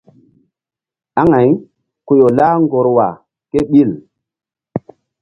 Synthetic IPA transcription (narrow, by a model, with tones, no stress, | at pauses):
a˦ŋa˨˦j | ko˨jo˨la˦ŋɡo˨ɾwa̰˨ | ke˦ɓi˦˨l